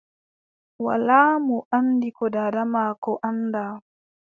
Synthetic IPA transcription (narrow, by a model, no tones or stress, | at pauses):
wa̰laːmuʔandikɔdadamakɔʔanda